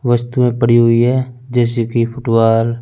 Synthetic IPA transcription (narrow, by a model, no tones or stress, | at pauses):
ʋəst̪uẽpəɽiɦʊiɦɛː | d͡ʒɛːs̬ekipʰʊʈʋaːl